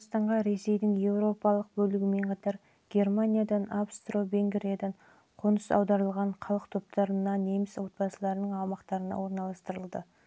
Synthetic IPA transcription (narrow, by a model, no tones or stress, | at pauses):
st̪ɑɴʁɑɾe̞se̞jd̪ɪŋje̞wɾo̞pɑlˠəq̚bɵlɪɡʲɪme̞ɴqʰɑt̪ɑɾ | ɡ̥ʲe̞rmanʲijad̪ɑnabst̪ro̞ve̞ŋɡɾijad̪ɑɴ | qʰonəsɑ̰wd̪ɑɾəlˠʁɑɴqʰɑlˠəqt̪ʰo̞p̚t̪ɑɾənɑne̞mɪswo̞t̪̚pɑsəlˠɑɾənəɴɑwmɑqt̪ɑɾənɑ̰wo̞ɾnɑlˠɑst̪əɾəlˠd̪ə